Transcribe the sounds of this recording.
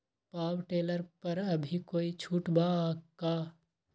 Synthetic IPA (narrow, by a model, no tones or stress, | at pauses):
paːwʈeːləɾpɐɾɐbʱikoːit͡ʃʰuːʈbakaː